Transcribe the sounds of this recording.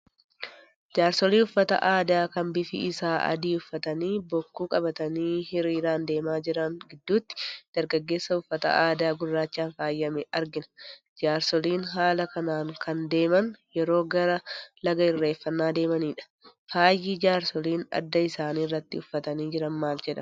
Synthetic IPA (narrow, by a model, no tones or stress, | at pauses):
d͡ʒaːɾsɔliːʊfːɐt̪ɐ̰ʔaːd̪aːkɐmbɪfɪ̰ɪsaːɐ̰d̪iːʊfːɐt̪ɐniːbɔkːuːkʼɐbɐt̪ɐniːhɪɾiːɾaːnd̪e̞ːmaːd͡ʒɪɾɐŋɡɪd̪ːuːt̪ːɪ̥d̪̥ɐɾɡɐɡːe̞ːsːɐʊfːɐt̪ɐ̰ʔaːd̪aːɡʊrːaːt͡ʃːaːnfaːjːɐmɛɐɾɡɪnɐ̥ | d͡ʒaːɾsɔliːnɦaːlɐkɐnaːŋkʰɐnd̪e̞ːmɐnjɛɾo̞ːɡɐɾɐlɐɡɐɪrːe̞ːfːɐnːaːd̪e̞ːmɐniːᶑɐ̥ | faːjːiːd͡ʒaːɾsɔliːnɐ̰d̪ːɐɪsaːniːrːɐt̪ːɪʊfːɐt̪ɐniːd͡ʒɪɾɐnmaːld͡ʒɛᶑɐ̰